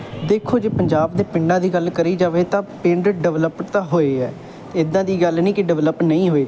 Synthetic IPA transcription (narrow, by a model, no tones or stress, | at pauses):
d̪eːkʰoːd͡ʒeːpəɲd͡ʒaːbd̪eːpɪ̃ɳɖãːd̪iːɡəlkəɾiːd͡ʒaːʋeːt̪ãːpɪɳɖɖəʋləpt̪ãːɦoːeːɛː | t̪ːɪd̪ːãːd̪iːɡəlnĩːkɪɖəʋləpnəĩːɦoːeː